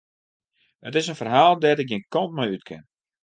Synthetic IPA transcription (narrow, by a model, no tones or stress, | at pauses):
ətɪsənfərɦaːlˠdɛtɪk̚jinkɔnt̚mɔjytkʰɪ̰n